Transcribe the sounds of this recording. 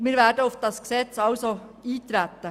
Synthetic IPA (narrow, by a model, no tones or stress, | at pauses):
miːɾʋɛːdəʊfd̥ɑsksɛt͡sɑlso | iːt̪ɾæt̪ːə